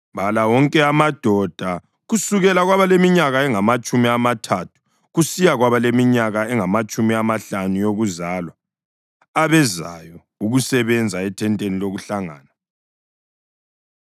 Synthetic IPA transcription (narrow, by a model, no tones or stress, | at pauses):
βalawɔŋkʼɛamad̥ʱɔd̥ʱa | ɣusuɣɛlaɣwaβalemiɲaɣaɛŋamat͡ʃʼumiamatʰatʰu̥ | ɣusijaɣwaβalemiɲaɣaɛŋamat͡ʃʼumiamaɬanujoɣuzaːlwa | aβɛza̰jɔ | uɣusɛβɛnd͡zʱaɛtʰɛntʼeniloɣuɬaŋa̰ːna